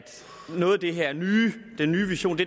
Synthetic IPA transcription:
d̥ | nɔ̽ːð̩ˠd̥e̝ɦeɐ̰nyːd̥enːyːʋiɕo̝̰ːnd̥e̝

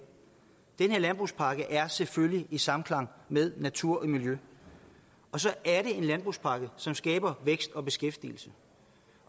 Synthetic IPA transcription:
d̥enhe̝ɐlænb̥ʁuspʰɑ̈ːɡ̥əʔæɐseføljiʔisɑ̈mn̩kʰlɑ̈ŋ̰meðˠnæt͡sʰuɐ̰ʔimiljø | ɒ̽sɒ̽ʔæɐɾe̝e̝nlænb̥ʁuspʰɑ̈ːɡ̥əsɒ̽msɡ̥ɛ̰ːb̥ɐʋeɡ̥sd̥ɒ̽b̥e̝sɡ̥efd̥ḭl̩sə

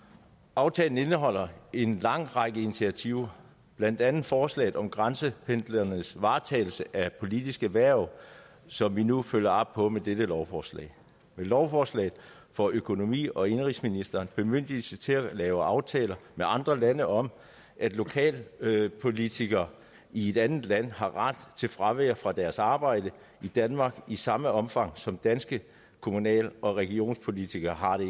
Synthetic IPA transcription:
ʔɑ̈ʊt͡sʰɛːln̩e̝nəɦɒ̽l̰ɐe̝nlɑ̈ŋ̰ʁɑ̈ɡ̥əinit͡sʰiæt͡sʰiʊ̰ | b̥læn̰d̥ænð̩ˠfɒːslɛ̰ɪð̩ˠɒ̽mɡ̥ʁɑnsəpʰend̥lɐnəsʋɑ̈ːt͡sʰɛ̰ːɪl̩səʔæpʰo̝lid̥isɡ̥æʋæɐ̰ | sɒ̽mʋinuføl̰jɐɑ̽b̥̚pʰɒ̽med̥ed̥əlɒʊfɒːslɛ̰ɪ | melɒʊfɒːslɛ̰ɪð̩ˠ | fɒ̽ʔøkʰo̝no̝mḭːɒ̽e̝nʁisminisd̥ɐːnb̥e̝møn̰d̥isət͡sʰe̝lælɛːʊɑ̈ʊt͡sʰɛ̰ːlɐmeʔɑ̈nd̥ʁɐlænəʔɒ̽m | ʔæd̥lo̝kʰɛ̰ːlpʰo̝lit͡sʰiɡ̥ɐ | ie̝d̥ænð̩ˠlæn̰hɑ̈ʁɑd̥t͡sʰe̝lfʁɑʋeːɐfʁɑ̈d̥æɐsɑ̈ːb̥ɑ̈ɪ̰d̥ə | id̥ænmɑ̈ːɡ̥isɑ̈məɒ̽mfɑ̈ŋ̰sɒ̽md̥ænsɡ̥ə | kʰo̝munɛ̰ːlʔɒ̽ʁɛɡ̥io̝̰ːnspʰo̝lit͡sʰiɡ̥ɐɦɑ̈ɾ̥e̝

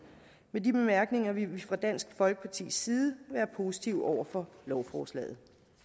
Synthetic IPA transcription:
medib̥e̝mæɐɡ̥ne̝ŋɐʋifʁɑ̈d̥æn̰sɡ̥fɒ̽lɡ̥ə̥pʰɑ̈t͡sʰḭːsːiːð̞ˠʋæːɐpʰo̝si̥t͡sʰiʊɒʊ̰ɐfɒ̽lɒʊfɒːslɛ̰ːð̞̩ˠ

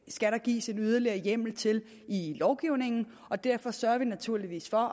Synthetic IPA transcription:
sɡ̥æɾɐ̈ɡ̥ḭːsenyð̞ˠɐliɐjem̰l̩t͡sʰe̝l | ilɒʊɡ̥iʊne̝ŋn̩ | ɒ̽d̥æɐ̰fɒ̽sɶɐɐʋinæt͡sʰuɐ̰liʋḭːsfɒ̽

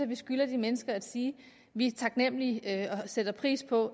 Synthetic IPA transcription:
ɒʋisɡ̥ylɐd̥imenəsɡ̥ɐæd̥siː | ʋit͡sʰɑ̈ɡ̥nem̰liɒ̽sed̥ɐpʰʁḭːspʰɒ̽

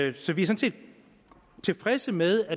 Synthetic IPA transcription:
sɒ̽ʋiɐsɒ̽nse̝̰ːd̥ | t͡sʰe̝lfʁɛsəmeð̞ˠæ

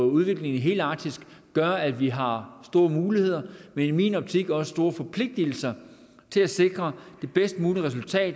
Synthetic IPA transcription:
uð̞ˠʋe̝ɡ̥le̝ŋn̩ɦe̝̰ːld̥ɑ̈ːd̥isɡ̥ɡ̥ɶɐæd̥ʋiɦɑ̈sd̥o̝ːɐmuːlihe̝ð̞̰ˠɐmenmḭːnɒ̽b̥̚t͡sʰiɡ̥ɒ̽sə̥sd̥o̝ːɐfɒ̽pʰle̝ɡ̥̚d̥il̩sɐ | t͡sʰe̝læse̝ɡ̥ʁɐd̥e̝b̥esd̥muːliʁɛs̬ult͡sʰɛ̰ːd̥

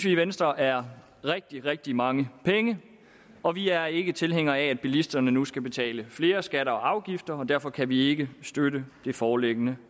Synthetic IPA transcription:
sʋiʋensd̥ʁɐʔæɐ | ʁɛɡ̥̚d̥iʁɛɡ̥̚d̥imɑ̈ŋəpʰeŋə | ɒ̽ʋiæɐe̝ɡ̥ət͡sʰe̝lɦeŋ̰ɐææd̥̚b̥ilisd̥ɐnənusɡ̥æb̥e̝t͡sʰɛ̰ːləfle̝ːɐsɡ̥æɾɐɒ̽ɑ̈ʊɡ̥ifd̥ɐɒ̽d̥æɐfɒ̽kʰæʋie̝ɡ̥əsd̥ødəd̥e̝fɒːleɡ̥ənə

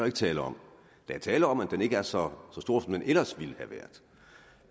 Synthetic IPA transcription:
ɐe̝ɡ̥ət͡sʰɛːləɒ̽m | d̥ææɐt͡sʰɛːləɒ̽mæd̥ene̝ɡ̥əæɐsɒ̽sɒ̽sd̥o̝ɐ̰fɒm̩enʔelɐsʋilhæʋæɐd̥

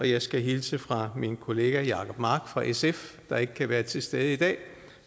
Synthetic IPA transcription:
ɒ̽jɑ̈ɪsɡ̥æɦilsəfʁɑ̈minkʰo̝le̝ːɡ̥æjɑ̈kʰɒ̽b̥mɑ̈ːɡ̥fʁɑ̈ʔesefd̥ɑ̈e̝ɡ̥əkʰæʋæːɐt͡sʰe̝sd̥eð̞̩ˠəid̥ɛ̰ː

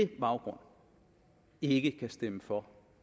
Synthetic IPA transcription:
eb̥ɑ̈ʊɡ̥ʁɔ̽n̰ | e̝ɡ̥əkʰæsd̥eməfɒ

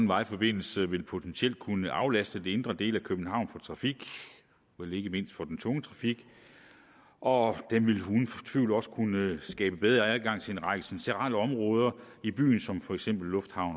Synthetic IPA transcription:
n̩ʋɑ̈ɪfɒ̽b̥e̝n̰l̩səʋe̝lpʰo̝t͡sʰensiel̰d̥̚kʰunəʔɑ̈ʊlæsd̥əd̥e̝ne̝nd̥ʁɐd̥e̝̰ːlækʰøb̥n̩ɦɑ̈ʊ̰nfɒ̽t͡sʰʁɑ̈fiɡ̥ | elɐe̝ɡ̥əme̝n̰sd̥fɒ̽d̥ent͡sʰɔ̽ŋət͡sʰʁɑ̈fiɡ̥ | ʔɒ̽d̥emʋe̝lɦunt͡sʰʋḭʊlɒ̽sə̥kʰunəsɡ̥ɛ̰ːb̥əb̥eð̞ˠɐæðˠɡ̥ɑ̈ŋ̰t͡sʰe̝enʁɑ̈ɡ̥əsinseʁɑ̰̈ləɒ̽mʁɔ̽ːð̞ˠɐ | ib̥y̰ːnsɒ̽mfɒ̽eɡ̥sem̰b̥l̩ːɔ̽fd̥hɑ̈ʊ̰n

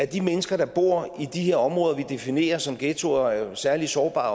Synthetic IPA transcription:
æɐd̥imenəsɡ̥ɐd̥ɑ̈b̥o̝̰ɐ̰id̥ihe̝ɐ̰ɒ̽mʁɔ̽ːðˠɐʋid̥e̝fine̝̰ːɐsɒ̽mɡ̥eːt͡sʰo̝ɐæɐsæɐlisɒːb̥ɑ̰̈ː

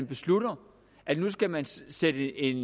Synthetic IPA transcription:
nb̥e̝sluɾ̥ɐ | ʔænus̬ɡ̥æmænsed̥əe̝n

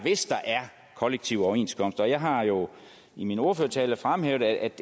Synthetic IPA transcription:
ʋe̝sd̥ɑ̈ʔæɐ | kʰɒ̽leɡ̥̚t͡sʰiʊ̰ɒe̝nskʰɒ̽m̰sd̥ɒ̽jɑ̈ɪɦɑ̈jo̝ | imino̝ɐføɐt͡sʰɛːləfʁamɦeːʊðˠææd̥

